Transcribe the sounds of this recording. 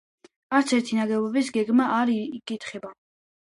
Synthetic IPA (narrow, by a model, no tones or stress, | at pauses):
aɾt̪sʰɛɾt̪ʰinaɡɛvɔbisɡɛɡmaːɾkʼit̪ʰχɛba